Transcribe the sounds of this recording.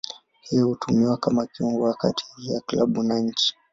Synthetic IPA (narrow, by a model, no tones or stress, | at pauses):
hijɔhutʰumiwakamakiɔŋɡɔwakati̥hiijaklaɓunaɲ̩t͡ʃi̥